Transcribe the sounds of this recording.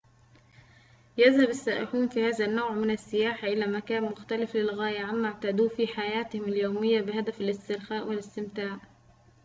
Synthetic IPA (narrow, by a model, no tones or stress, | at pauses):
jaðhabasːaːʔɪħuːnfiːhaːzænːoːʕmɪnasːɪjaːħaʔɪlæːmækæːnmʊxt̪ælɪflɪlɣæːjaʕamːaʕt̪aːd̪uːfiːħajæːt̪ɪhɪmɪljoːmɪjːabɪɦad̪æfalɪst̪ɪɾxaːʔwɪlɪst̪ɪmt̪aːʕ